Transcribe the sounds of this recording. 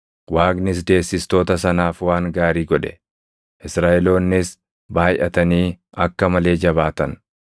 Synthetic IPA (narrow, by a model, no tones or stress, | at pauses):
waːɡnɪs̬d̪e̞ːsːɪst̪o̞ːt̪ɐsɐnaːfwaːŋɡaːɾiːɡɔᶑɛ̥ | ʔɪsɾaːʔɛlo̞ːnːɪs | baːjʔɐt̪ɐniː | ʔɐkːɐmɐle̞ːd͡ʒɐβaːt̪ɐn